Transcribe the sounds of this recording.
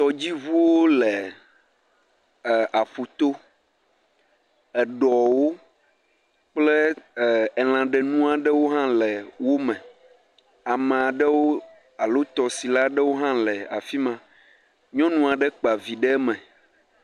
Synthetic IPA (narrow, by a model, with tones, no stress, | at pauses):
t̪ɔ˨d͡ʑi˦vu˦wo˦lɛ˨ | a˨ɸu˨t̪o˦ | ɛ˨ɖɔ˨wo˦ | k͡plɛ˦˨ɛ˨l̃ã˨ɖɛ˨nũ˦a˨ɖɛ˦wo˦ɦã˦lɛ˨wo˦mɛ̃˨ | a˨mɛ̃˨a˨ɖɛ˦wo˦ | a˨lo˦t̪ɔ˨si˨la˦ɖɛ˦wo˦ɦã˦lɛ˨a̰˨fi˦mã˦ | ɲɔ̃˦nũ˦a˨ɖɛ˦k͡pa˨vi˨ɖɛ˦mɛ̃˨